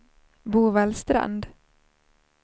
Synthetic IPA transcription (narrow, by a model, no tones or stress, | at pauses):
buːvɛlst̪ɾa̰nd̪